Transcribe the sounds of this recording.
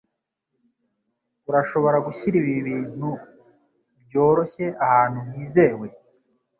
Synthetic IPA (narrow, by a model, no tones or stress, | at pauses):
uɾaʃo̞βo̞ɾaɡuçiɾiβiβiːn̥u | bjo̞ːɾo̞çe̞ahaːn̥huβiːze̞we̞